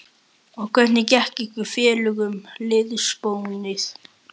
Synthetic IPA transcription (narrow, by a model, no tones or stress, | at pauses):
ɔɣkʰvɛt̪nɪcɛhcikʏfjɛːlʏɣʏmlɪðʏspowŋnɪθ